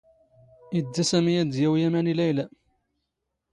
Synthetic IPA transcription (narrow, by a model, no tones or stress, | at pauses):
id̪ːæsæmijæd̪jæwjæmænilæjlæ